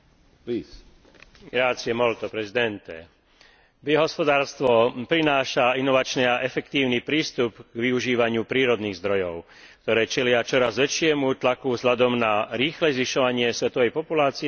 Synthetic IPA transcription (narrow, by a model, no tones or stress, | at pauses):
is | ɡɾaːt͡siɛmɔlt̪ɔpɾɛzid̪ɛnt̪ɛ̰ | biɦɔspɔd̪aːɾst̪ʋɔpɾinaːʃainɔʋat͡ʃniaʔɛfɛkt̪iːʊnipɾiːst̪upɡʋiuʒiːʋaɲɪupɾiːɾɔd̪niːɣzd̪ɾɔjɔʊ | k̚t̪ɔɾɛːt͡ʃɛlɪat͡ʃɔɾazʋɛt͡ʃɪɛmut̪lakuvzɦʎad̪ɔmnaɾiːxlɛzʋiʃɔʋaɲɪɛsʋɛt̪ɔʋɛjpɔpulaːt͡si